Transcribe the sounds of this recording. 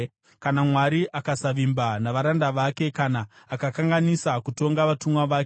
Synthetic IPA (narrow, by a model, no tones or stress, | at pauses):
kanamwaɾiʔakasaʋimbanaʋaɾandaʋake̞kanaː | kakaŋɡanisakuto̞ŋɡaʋatumwaʋaːke